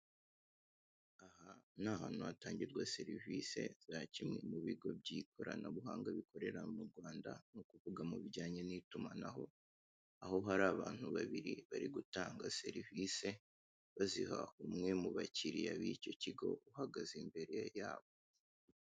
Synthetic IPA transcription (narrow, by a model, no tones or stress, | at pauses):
ahan̥aːhaːn̥uataːɲɟiɾɡwase̞ɾivise̞̰z̥acimŋemuβiɡo̞b̚ɟikʰo̞ɾa̰naβuɦaːŋɡaβikʰo̞ɾe̞ɾamuɾɡwaːnda̰nukuvuɡamuβiɟaːɲe̞nitumanaɦo̞ | aho̞ɦaɾaːβaːn̥huβaβiɾiβaɾiɡutaːŋɡase̞ɾivise̞ | βaziɦa̰umŋe̞muβaciɾiaβico̞ciɡo̞̰uhaɡazimbe̞ɾe̞jaːβo